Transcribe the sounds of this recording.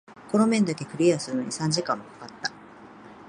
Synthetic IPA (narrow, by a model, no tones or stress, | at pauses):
ko̞no̞mẽ̞nd̪ake̞kɯ̟ɾʲiasɨɾɯno̞̰ɲ̟isãɲ̟d͡ʑikãmːokḁkat̪ːḁ